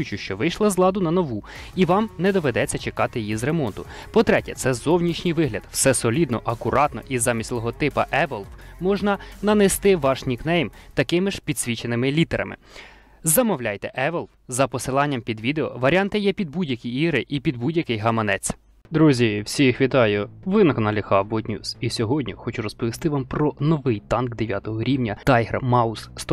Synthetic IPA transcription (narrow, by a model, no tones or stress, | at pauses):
ʊt͡ʃʊʃt͡ʃɔʋɪjʃlˠɐzlˠɑd̪ʊnɐnɔʋu | iʋɑmnɛd̪ɔʋed̪ɛt͡sʲːɐt͡ʃekɑt̪ɪjijizremɔnt̪ʊ | pɔt̪ɾɛtʲɛt̪sɛzɔwnʲit͡ʃnʲɪjʋɪɦlʲɐd̪w̥sɛsɔlʲid̪nɔʔɐkʊɾɑt̪nɔ̰ʔizɑmʲisʲlˠɔɦɔt̪ɪpɐʔɛʋɛlˠwmɔʒnɐnɐnɛst̪ɪʋɑʃnʲiknɛjmt̪ɐkɪmɪʃpʲid̪sʲʋʲit͡ʃenɪmɪlʲit̪ɛɾɐ̰mɪ̰ | zɐmɔwlʲajt̪ɛʔɛʋɛlˠwzɐpɔsɪlˠɑnʲːɐmpʲid̪ʋʲid̪eɔʋɐɾʲɑnt̪ɪjɛpʲid̪̚budʲjɐkʲijiɦɾɪʔipʲid̪̚budʲjɐkɪjɦɐmɐnɛt͡sʲ | d̪ɾuzʲiwsʲixʋʲit̪ɑjʊʋɪnɐkɔnɑlʲixɑbɔtʲnʲṵsisʲɔɦɔdʲnʲḭxɔt͡ʃʊɾɔspɔʋʲist̪ɪʋɑmpɾɔnɔʋɪjt̪ɑnkd̪eʋʲjat̪ɔɦɔɾʲiwnʲɐt̪ɑjɦɾmɑusst̪